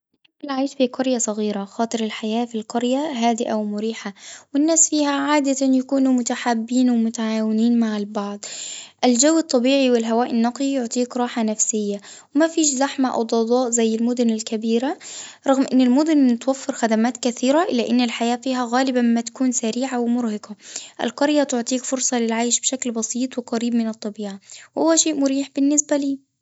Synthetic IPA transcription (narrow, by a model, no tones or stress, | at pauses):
ɪakɪlʕaːʃfiqɑɾjasˤɑɣiːɾaxɑːt̪ˤɨɾɪlħajaːfilqɑɾjaɦaːd̪ɪʔawmʊɾiːħawɪnːaːsfiːhaʕaːd̪at̪anjakuːnumʊt̪aħabːiːnwɪmʊt̪aʕaːwɪniːnmaʕɪlbɑʕd̪ˤʔɪld͡ʒawːɨt̪ˤːɑbiːʕiwɪlɦawaːʔɪnːɑqlijʊʕt̪ˤiːkɾˤɑːħanafsɪjːawɪmafiːʃzaħmaʔa̰wd̪ˤɑd̪ˤɑːʔzajːɪlmʊd̪ʊnɪlkabiːɾaɾˤɑɣmʔɪnːɪlmʊd̪ʊnɪt̪wafːɪɾxad̪amaːt̪kaθiːɾaʔɪlːaʔɪnːɪlħajaːfiːɦaɣaːlɪbammat̪ḁkuːnsaɾiːʕawɪmʊɾhɪqaʔɪ̰lqɑɾjat̪ʊʕt̪ˤiːkfʊɾsˤɑlɪlʕaːʃbʃaklbɑsiːt̪ˤwɪqɑɾiːbmɪnɨt̪ˤːɑbiːʕawʊwːaʃeːʔmʊɾiːħb̥ɪnːɪsbaliː